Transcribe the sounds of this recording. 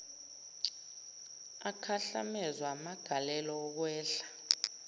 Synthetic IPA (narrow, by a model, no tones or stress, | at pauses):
akʰaɬa̰mɛzwamaɡ̥ʱalɛlɔːk̬wɛːɬḁ